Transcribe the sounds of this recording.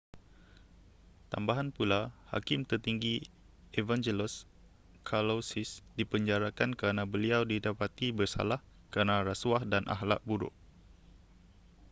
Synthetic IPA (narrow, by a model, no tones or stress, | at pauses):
t̪a̰mbaɦanpulaha̰kɪmt̪ərt̪iŋɡi | evand͡ʒelɛs | kʰalosɪsdipəɲd͡ʒaɾakankəɾənabəliawdidapat̪ibərsa̰lah | kəɾənaɾasuahdanʔa̰ɦla̰ʔbuɾʊ̰ʔ